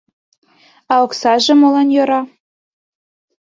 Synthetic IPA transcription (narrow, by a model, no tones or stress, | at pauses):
ɑoksɑʒĕmolɑnjoɾɑ